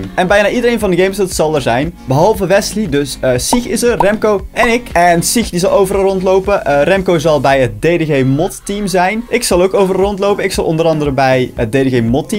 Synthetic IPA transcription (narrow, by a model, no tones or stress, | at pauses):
mɛnbɛjnaːʔidəɾejnvɑndəɡejmsətsɑlˠəɹzɛjnbəɦɑlˠvəʋɛslidɵsəsixɪsərrɛmkowɛnɪkɛnsixdizɑlˠowvərɑlˠrɔntlowpərɛmkowzɑlˠbɛjət̚dedeɣejmɔttimzɛjnʔɪksɑlˠowkowvərɑlˠɔntlowpənɪksɑlˠʔɔ̰ndəɾɑndəɾəbɛjət̚dedeɣejmɔtːim